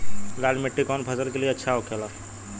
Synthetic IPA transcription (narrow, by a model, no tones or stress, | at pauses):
lalmeʈːikɔnpʰəsəlkelieətːʃʰaokʰela